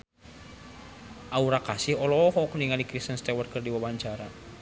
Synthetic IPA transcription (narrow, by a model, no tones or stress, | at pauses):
ʔauɾakasihɔlɔɦɔkniŋalikɾist̪ənst̪ɛwɔr̚kɨrdiwawaɲt͡ʃaɾa